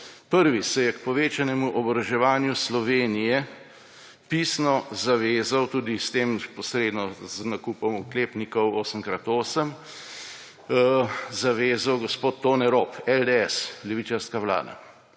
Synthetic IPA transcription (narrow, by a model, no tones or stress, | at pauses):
pəɾʋisɛjɛkpɔʋeːt͡ʃanɛmuʔɔbɾɐʒɛʋaːnjuslɔʋeːnijɛ | pisnɔzaʋeːzawt̪uːd̪ist̪eːmpɔsɾeːd̪nɔznakuːpɔmukleːpnikɔwoːsəmkɾat̪oːsəm | zaʋeːzawɡɔspoːt̪ːoːnɛɾoːpɛld̪eɛslɛʋit͡ʃaɾskawla̰ːd̪a̰